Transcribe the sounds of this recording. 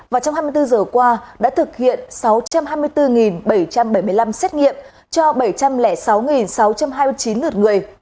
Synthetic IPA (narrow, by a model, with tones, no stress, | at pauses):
vaː˨˩wt͡ɕa˧wŋ͡mɦaː˧jmɨ˧jt̪ɨ˧zəː˨˩kwaː˧ɗa̰ː˧˥t̪ʰɨ˨˩k̚hḭ˧˨ənsa˨˦wt͡ɕa˧mɦaː˧jmɨ˧əjt̪ɨ˧ŋi˨˩nɓə˧˩jt͡ɕa˧mɓə˧˩jmɨ˧əjla˧msɛː˦˥t̚ŋḭ˧˨əm | t͡ɕɔ˧ɓə˧˩jt͡ɕa˧mlɛ˧˩sa˨˦wŋi˨˩nsa˨˦wt͡ɕa˧mɦaː˧jmɨ˧ət͡ɕi˨˦nlɨ˨˩t̚ŋɨ˨˩əj